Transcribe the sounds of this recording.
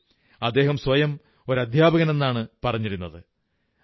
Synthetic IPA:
ɐd̪ːe̞ːɦɐmsʋɐjɐm | o̞ɾɐd̪ʱjaːbɐɣɐne̞nːaːɳɨpɐrɐɲːiɾunːɐðɨ

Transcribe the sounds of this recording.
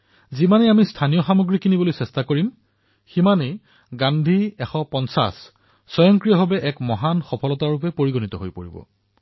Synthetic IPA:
zimaneamistʰanijɔxamuɡɹikinibolojsɛstakoɹim | ximanej | ɡandʱiɛxɔpɔnsa̰sː | ɔjɔŋkɹijɔɦɔbɛʔɛkmɔɦanxɔpʰɔlɔtaɹup̬ɛpoɹiɡonit̪ɔɦojpoɹibɔ̰

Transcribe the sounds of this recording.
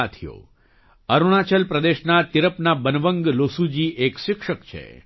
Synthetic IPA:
at̪ʰijo̰ | əɾuɽ̃at͡ʃəlpɾəd̪eʃnat̪iɾəpnabənʋəŋɡlosud͡ʒiʔekʃɪkʃəkt͡ʃʰḛ

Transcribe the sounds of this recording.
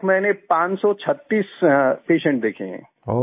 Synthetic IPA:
mɛ̃ːnepãːt͡ʃsɔt͡ʃʰɐt̪ːiːspeːʃə̃ɳʈ̚d̪eːkʰḛ̃ɦɛ̰̃ː | o

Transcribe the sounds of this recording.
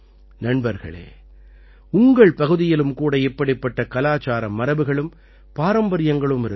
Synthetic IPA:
nɐɳbɐɾɣɐ̰ɭḛː | ʊŋɡɐɭpɐɣɯðɪjɪlɯmkuːɽɐɛpːɐɽɪpːɐʈːɐkɐlaːt͡ʃaːɾɐmːɐɾɐʋɯɣɐɭɯm | paːɾɐmbɐɾɪjɐŋɡɐɭɯmɪɾɯ

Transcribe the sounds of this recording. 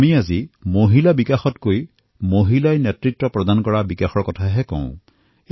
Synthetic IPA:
miazimoɦilabikaxɔtkoj | moɦilajnɛtɹitːɔpɹɔdankɔɹabikaxɔɹkɔtʰaɦɛkɔ̰̃ʊ̃

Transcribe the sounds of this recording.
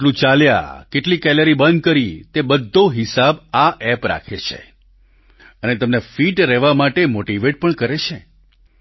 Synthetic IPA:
lũt͡ʃalja̰keʈlikɛləɾibənd̪̚kəɾit̪ebəd̪ʱːoɦɪsabaʔɛpɾa̰kʰet͡ʃʰḛ | ənet̪əmnefiʈɾɛʋamaʈemoʈiʋeʈ̚pəɳkəɾet͡ʃʰe

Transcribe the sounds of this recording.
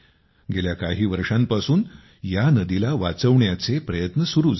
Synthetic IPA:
ɡeljakaɦiːʋəɾʂãmpasuːn | janəd̪ilaʋat͡səʋɳjat͡sepɾəjət̪nəsuɾuːd͡z

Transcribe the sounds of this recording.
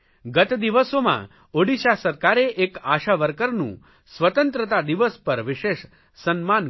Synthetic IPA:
ɡət̪d̪iʋəsomã̰ | oɽiʃasəɾkaɾeʔekaʃaʋəɾkəɾnṵ̃ | sʋət̪ə̃nt̪ɾət̪ad̪iʋəspəɾʋɪʃeʃ | sənman

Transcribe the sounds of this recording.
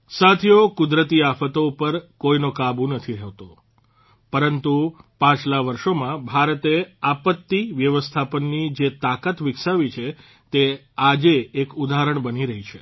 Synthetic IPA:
sat̪ʰjokʊd̪ɾət̪iafət̪oupəɾkoinokabũnət̪ʰiɾɛʋt̪o | pəɾənt̪upãt͡ʃlaʋəɾʃomãbʱaɾət̪eapət̪ːiʋjəʋəst̪ʰapənːid͡ʒet̪akat̪ʋɪksaʋit͡ʃʰe | t̪e | ad͡ʒeːkud̪aɦɾəɳbəniɾəɦit͡ʃʰe

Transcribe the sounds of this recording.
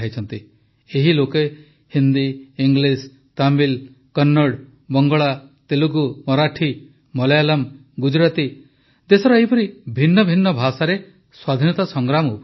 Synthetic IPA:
ajt͡ʃʰɔnt̪i | eɦiloke | hind̪iːŋɡlis | t̪ambil | kɔnːɔɽ | bɔŋɡɔɭat̪eluɡumɔɾaʈʰi | mɔlejalam | ɡud͡ʒɾat̪i | d̪esɔɾɔeɦipɔɾibʱinːɔbʱinːɔbʱasaɾe | swad̪ʱinɔt̪asɔŋɡɾamu

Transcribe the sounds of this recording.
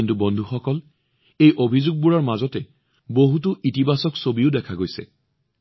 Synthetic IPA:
intubɔndʱuxɔkɔl | ejʔobʱizuɡ̚buɹaɹmazɔtɛ | boɦut̬ʊʔitibasɔksobiʊdɛkʰaɡojsɛ̰

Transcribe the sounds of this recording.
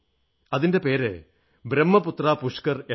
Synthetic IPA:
ɐðinde̞pe̞ːɾɨ | bɾemːɐput̪raːpuʂkɐre

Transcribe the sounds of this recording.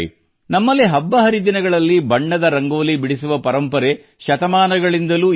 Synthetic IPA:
ḭ | nɐmːɐlːiɦɐbːɐɦɐɾid̪inɐɡɐɭɐlːibɐɳːɐd̪ɐɾɐŋɡoːlibiɽisuʋɐpɐɾɐmpɐɾe̞ | ʃɐt̪ɐmaːnɐɡɐɭind̪ɐluː

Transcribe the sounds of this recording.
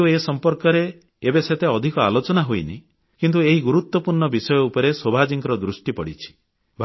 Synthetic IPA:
uesɔmpɔɾkɔɾeː | beset̪ʰeɔd̪ʱikɔa̰lot͡ʃɔnaɦojnḭ | kint̪ueɦiɡuɾut̪wɔpuɾɳɔbisɔjɔupɔɾesobʱad͡ʒiŋkɔɾɔd̪ɾusʈipɔɽit͡ʃʰi̥ | bʱ

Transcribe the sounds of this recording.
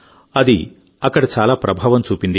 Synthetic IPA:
ɐd̪ḭ | ɐkːɐɽɐt͡ʃaːlaːpɾɐbʱaːʋɐmt͡ʃuːpind̪i

